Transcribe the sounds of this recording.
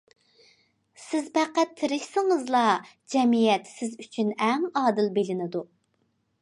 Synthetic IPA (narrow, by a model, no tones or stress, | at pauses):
sɪzbæqːæt̪ʰːɪɾɪʃsɪŋəzlˠɑ | d͡ʒɛmijɛt̪sɪzyt͡ʃʰynɛŋɑːd̪ɨlbelɪnɪd̪u